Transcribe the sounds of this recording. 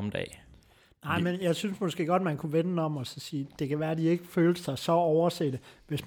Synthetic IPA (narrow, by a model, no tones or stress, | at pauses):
md̥ɛ̰ː | nɑ̈ɪ̰menjɑ̈ɪsynsmɒ̽sɡ̥e̝̰ːɡ̥ɒ̽d̥̚mænkʰuʋennɒ̽mɒ̽sɒ̽siːd̥e̝kʰæʋæːɐd̥ie̝ɡ̥əføːlsɑ̈ɪsɒ̽ɒʊɐsed̥əʋe̝s